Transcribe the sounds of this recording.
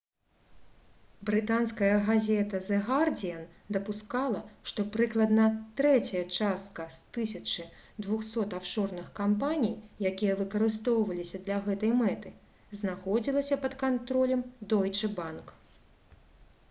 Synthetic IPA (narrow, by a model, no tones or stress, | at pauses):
bɾɨt̪anskɐjɐɣazʲɛt̪ɐzɛɣard͡zʲijɐn | d̪ɐpuskalˠɐʂt̪ɔpɾɨklˠɐd̪nɐt̪ɾɛt͡sʲɐjɐt͡ʂast̪̚kɐst̪ɨsʲɐt͡ʂɨd̪vuxsɔt̪awʂɔrnɨxkampanʲijjakʲijɐvɨkɐɾɨs̬t̪ɔwvɐlʲisʲɐd̪lʲɐɣɛt̪ɐjmɛt̪ɨ | znaxɔd͡zʲilˠɐsʲɐpɐt̪kant̪ɾɔlʲɛmd̪ɔjt͡ʂɨbank